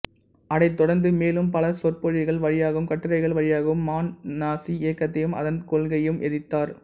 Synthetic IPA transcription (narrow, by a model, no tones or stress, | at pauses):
ʔɐɽɐɪt̪ːɔɽɐɾnd̪ɯmeːlɯmpɐlɐsɔrpɔɻɪɣɐɭʋɐɻɪjaːɣɯmkɐʈːɯɾɐɪɣɐɭʋɐɻɪjaːɣɐɯmːaːnnaːsieːkːɐt̪ːɐjɯmʔɐ̰ðɐnkɔlɡɐjɯmʔɛðɪt̪ːaːɾ